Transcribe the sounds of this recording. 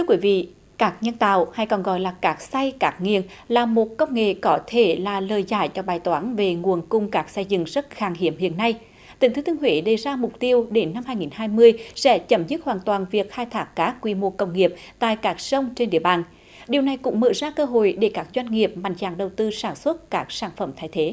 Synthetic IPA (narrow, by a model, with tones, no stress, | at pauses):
t̪ʰɨ˧wkwi˨˦vḭ˧˨ | kaː˦˥k̚ɲə˧nt̪a̰ː˧˨wha˧˩jkɔ˨˩nɣɔ̰˧˨jlaː˨˩kaː˦˥k̚sa˧jkaː˦˥k̚ŋḭ˧˨ən | laː˨˩mo˨˩t̚kə˧wŋ͡mŋḛ˧˨kɔ˨˦t̪ʰe˧˩laː˨˩ləː˨˩jzaː˧˩jt͡ɕɔ˧ɓaː˨˩jt̪waː˨˦nve˨˩ŋu˨˩ənkʊ˧˩ŋ͡mkaː˦˥k̚sɛ˧zɨ̰˧˨ŋzə˦˥t̚xaː˧˩ŋɦḭ˧˩˨əmhḭ˧˨ənːa˧j | t̪ï˨˥˦ŋt̪ɨ˨˦t̪ʰɨ˧əŋhwe˨˦ɗə˧˩jzaː˧mʊ˨˩k͡p̚t̪i˧əwɗe˨˦nːa˧mhɦaː˧jŋi˨˩nhaː˧jmɨ˧əjsɛ̰˧˥t͡ɕə˧˩mzɨ˦˥t̚hwaː˨˩nt̪waː˨˩nvi˨˩ək̚xaː˧jt̪ʰaː˦˥kːaː˦˥kːwi˧mo˧kə˧wŋ͡mŋi˨˩əp̚t̪a̰ː˧˨jkaː˦˥k̚sə˧wŋ͡mt͡ɕe˧nɗḭ˧˩əɓaː˨˩n | ɗi˨˩əwna˨˩jkʊ̰˧˥ŋ͡mmə̰ː˧˨zaː˧kəː˧ɦo̰˧˨jɗe˧˩kaː˦˥k̚zwa˧jŋ̟ŋi˨˩əp̚ma̰˧˨jŋ̟za̰ː˧˩ŋɗə˨˩wt̪ɨ˧saː˧˩nswə˦˥t̚kaː˦˥k̚saː˧˩nfə˧˩mt̪ʰaː˨˦jt̪ʰe˨˦